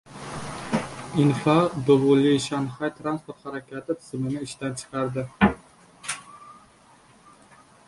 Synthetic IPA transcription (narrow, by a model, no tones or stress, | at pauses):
ɪnfad̪ovoliʃanχajt̪ʰɾanspoɾt̪haɾakʲʰat̪ʰɪt̪ʰɪ̥z̥mɪnɪɪʃt̪ant͡ʃʰɨ̥qʰɑɾd̪ɪ